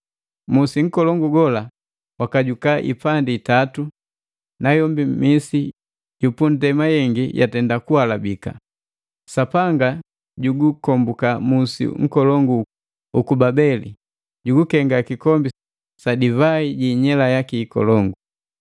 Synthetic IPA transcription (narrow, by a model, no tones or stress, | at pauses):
musiŋ̩kɔlɔŋɡuɡɔla | wakaɟukaʔḭpanditatu | najɔmbimisi | ɟupun̩dɛmajɛŋɡijʔa̰tɛndakualabika̰ | sapaŋɡa | ɟuɡukɔmbukamusḭŋ̩kɔlɔŋɡu | ukubabɛlḭ | ɟuɡukɛŋɡakikɔmbi | sadivaiɟiːɲɛlajakiːkɔ̰lɔŋɡu